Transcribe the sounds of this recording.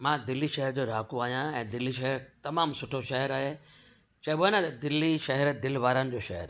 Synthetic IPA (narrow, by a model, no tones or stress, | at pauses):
mãːd̪ɪlːiʃɐɦəɾd͡ʑoːɾaːkuaːɦijãɛ̃ːd̪ɪlːiʃɐɦəɾt̪ɐmaːmsʊʈʰoʃɐɦəɾaːɦeː | t͡ɕɐbanə̃t̪ɐd̪ɪlːiʃɐɦɛɾd̪ɪlʋaːɾənɪ̆d͡ʑoːʃɐɦə̰ɾ